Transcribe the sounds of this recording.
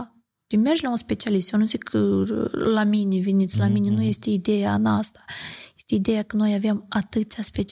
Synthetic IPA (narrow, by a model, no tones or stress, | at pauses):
t̪ʲemerʒlaunspe̞t͡ʃialist̪jonuzikəlaminʲevinʲit̪sʲlaminʲenujest̪ʲeid̪ejaːnast̪ḁjest̪ʲeid̪ejakəno̞javeamat̪ɨt̪t̪ʲaspet͡ʃ